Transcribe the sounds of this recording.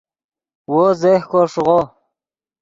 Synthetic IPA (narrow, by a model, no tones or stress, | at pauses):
wozehkoʂʁo